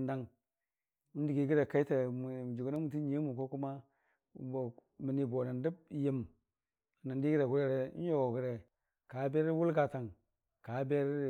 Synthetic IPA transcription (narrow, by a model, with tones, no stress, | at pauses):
n˦da˦ŋ˦ | ndi˨ɡi˨˦ɡi˦ɾe˨ka˦i˦te˨m˨d͡ʒu˨ɡa˦na˦mu˨ti˦ɲ˦i˦mu˨ko˦ku˦ma˦˨ | mi˨ni˨bo˨na˨ndi˦b̚ji˦m˨ | na˨ndi˦ɡi˦ɾe˨ɡu˦ɾe˦ɾḛ˨˦jo˨ɡo˨ɡi˨ɾe˨ | ka˨˦be˦ɾwu˦lɡa˨ta˨ŋ | ka˨˦be˦ɾ